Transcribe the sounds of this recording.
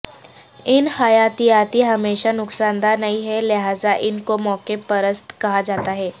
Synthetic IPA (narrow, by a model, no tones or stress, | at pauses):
ɪnhajaːt̪ijaːt̪iɦɐmeːʃanʊksãːnd̪aːɾnɐiɦɛleɦaːzaʔɪnkomɔːkepɐɾəst̪kɐɦad͡ʒaːt̪aɦɛː